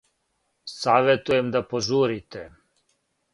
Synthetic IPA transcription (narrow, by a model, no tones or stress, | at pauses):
saːʋet̪ujemd̪apoʒuːɾit̪e